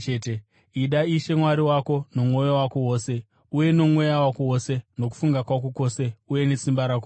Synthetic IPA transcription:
ete | iɗaiʃe̞mwaɾiwako̞no̞mwo̞jowako̞wo̞ːse̞ | uje̞nomwo̞jawakowose̞no̞k̬u̥fuŋɡakwakoko̞se̞uje̞nesimbaɾako

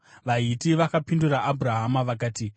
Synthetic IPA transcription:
ʋaɦitiʋakapinduraʔabʱuraɦamaʋakaːti

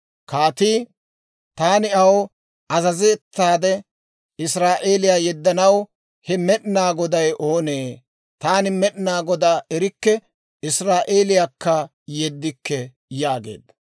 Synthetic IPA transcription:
kaːt̪iː | t̪aːnɪɐw | ɐzɐzeːt̪ːaːd̪ɛ | ɪsɾaːʔe̞ːlɪjaːjɛd̪ːɐnɐw | hɛmɛɗnaːɡɔd̪ɐjʔo̞ːneː | t̪aːnɪmɛɗnaːɡɔd̪aɛɾɪkːɛ | ɪsɾaːʔeːlɪjakːɐ | jɛd̪ːɪkːɛ | jaːɡe̞̰ːd̪ːɐ

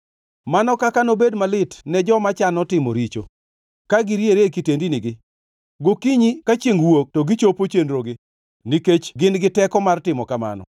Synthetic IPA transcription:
manɔkakanobedmalɪtnɛd͡ʒɔmat͡ʃanɔtɪmɔ̰ɾit͡ʃo̰ | kaɡiɾjeɾekitendinɪɡɪ | ɡokiɲikat͡ʃeŋwok̚tɔɡɪt͡ʃopot͡ʃenɾoɡɪ | niket͡ʃɡɪnɡɪtɛkɔmartɪmɔkama̰nɔ̰

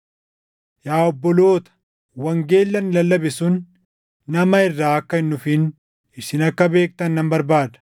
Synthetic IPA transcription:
jaːɔbːɔlo̞ːt̪ɐ̥ | wɐŋɡe̞ːlːɐnɪlɐlːɐbɛsʊnː | ɐmɐɪrːaːɐkːɐɪnːʊfɪn | ɪʃɪnɐkːɐbe̞ːk̚t̪ɐnːɐmbɐɾbaːd̪ɐ̥

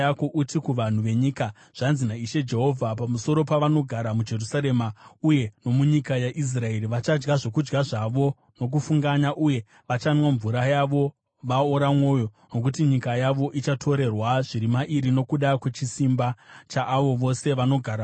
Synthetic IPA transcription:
ako̞ʔutikuʋan̤uʋe̞ɲika | ʐ̥anzinaiʃe̞d͡ʒe̞ɦo̞vʱapamuso̞ɾo̞paʋano̞ɡʱaɾamud͡ʒe̞rusaɾe̞mauje̞no̞muɲikajaʔis̬rae̞riʋat͡ʃad͡ʒɡaʐo̞kud͡ʒɡaʐaʋo̞ | no̞k̬ufuŋɡaɲaʔuje̞ | ʋat͡ʃanwaɱvuɾajaʋo̞ | ʋaoɾamwo̞jo̞ | no̞k̬utiɲikajaʋo̞ʔit͡ʃatʰo̞ɾe̞rwaʐiɾimaʔiɾino̞kuɗakwe̞t͡ʃisimbat͡ʃaʔːʋo̞ʋo̞se̞ʋano̞ɡʱaɾa

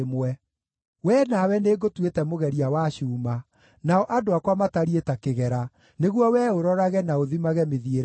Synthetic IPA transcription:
mwɛ | wɛːnawɛneɡotwetɛmoɣɛɾiawaɕuːma | naɔʔadoakwamataɾietakeɣɛɾa | neɣwɔwɛoɾɔɾaɣɛnaoðimaɣɛmeðieɾ

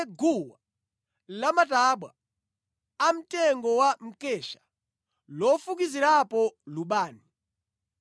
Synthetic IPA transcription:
ɡuwa | lamataɓwa | am̩tɛŋɡɔwam̩kɛʃḁ | lɔfuk̬iziɾapɔluɓaːni

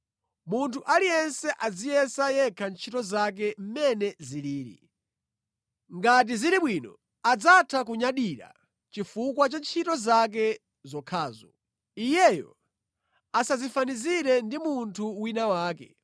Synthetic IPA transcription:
muntʰuʔalijɛnsɛʔad͡zijɛsajɛkʰant͡ʃʰitɔzak̬ɛm̩mɛnɛziliːɾḭ | ŋɡat̬iziɾiɓwinɔ̰ | ad͡zatʰak̬uɲaɗiɾa̰ | t͡ʃifukwat͡ʃant͡ʃʰitɔzak̬ɛ | zɔkʰaːzɔ̰ | ijɛjɔ̰ | asazifaniziɾɛndimuntʰuwinawaːkɛ̰

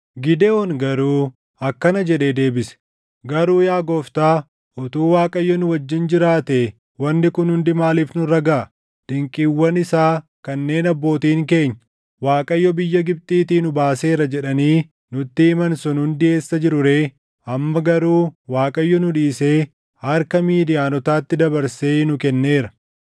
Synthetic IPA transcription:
ɡɪd̪ɛɔnɡɐɾuː | ɐkːɐnɐd͡ʒɛᶑe̞ːd̪e̞ːbɪsɛ̥ | ɡɐɾuːjaːɡɔft̪aː | ʊt̪uːwaːkʼɐjːɔnʊwɐd͡ʒːɪnd͡ʒɪɾaːt̪e | wɐnːɪkʊnhʊnd̪ɪmaːliːfnʊɾɐɡaːɐ | d̪̥ɪŋkʼiːwːɐnɪsaːkɐnːe̞ːnɐbːo̞ːt̪iːŋke̞ːɲːɐ | waːkʼɐjːɔbɪjːɐɡɪb̚t̪ʼiːt̪iːnʊbaːse̞ːɾɐd͡ʒɛᶑɐniː | nʊt̪ːɪɪmɐnsʊnhʊnd̪ɪe̞ːsːɐd͡ʒɪɾʊɾe̞ː | ɐmːɐɡɐɾuːwaːkʼɐjːɔnʊᶑiːseː | hɐɾkɐmiːd̪ɪjaːnɔt̪aːt̪ːɪd̪ɐbɐɾseːnʊkɛnːe̞ːɾɐ

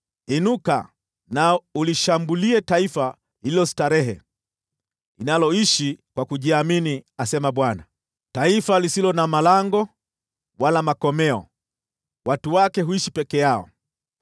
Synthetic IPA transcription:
inuka̰ | nauliʃambuliɛtaifa | hililɔstaɾɛɦɛ̰ | inalɔiʃikwakuʄiaminiasɛmaɓwana | taifalisilɔnamalaŋɡɔ | walamakɔmɛɔ̰ | watuwakɛɦuiʃipɛkɛjaɔ̰

